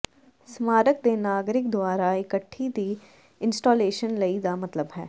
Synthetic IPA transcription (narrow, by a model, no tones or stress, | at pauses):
smaːɾək̚d̪eːnaːɡɾɪk̚d̪ʊwaːɾaɪkəʈʰːid̪iː | ɪ̃nsʈoːleːʃənləid̪aːmɐt̪ləbɦɛ̰ː